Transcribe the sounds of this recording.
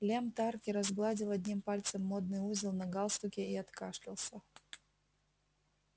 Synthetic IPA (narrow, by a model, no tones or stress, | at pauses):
lʲemt̪arkʲɪɾɐzɡlˠadʲɪlˠɐdʲnʲimpalʲt̪səmːod̪̚nɨjuzʲɪlˠnɐɡalˠst̪ʊkʲɪiɐt̪kaʂlʲɪlˠsʲɐ